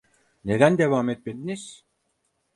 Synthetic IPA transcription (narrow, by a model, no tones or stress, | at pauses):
ned̪ænd̪e̞vaːmɛt̪̚med̪iniz̥